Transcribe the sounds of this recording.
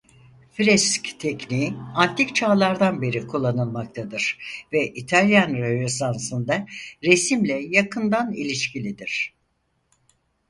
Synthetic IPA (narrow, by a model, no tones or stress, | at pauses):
fɾɛsct̪ʰɛcniːant̪ʰict͡ʃʰaːlˠaɾd̪anbe̞ɾikʰulˠːanɯlˠmak̚t̪ʰad̪ɯɾ̥vɛʔit̪ʰalʲjanɾønesansɯnd̪aɾesimlʲɛjakʰɯnd̪anḭlʲiʃcilʲid̪iɾ̥